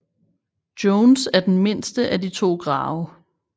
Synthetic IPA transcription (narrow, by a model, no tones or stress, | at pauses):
d̥jɔʊnsæɐd̥enme̝n̰sd̥əʔædit͡sʰo̝̰ːɡ̥ʁɑ̈ːʊə